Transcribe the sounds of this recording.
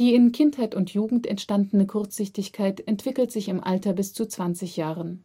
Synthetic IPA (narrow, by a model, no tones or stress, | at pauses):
d̥iːɪnkʰɪnthaɪtʊntjuːɡŋ̩tɛntʃtandn̩əkʰʊɐt͡sz̥ɪçtɪçkʰaɪtɛntv̥ɪkl̩tz̥ɪçɪmʔa̰ltɐbɪst͡sut͡sv̥ant͡sɪçjaːʁən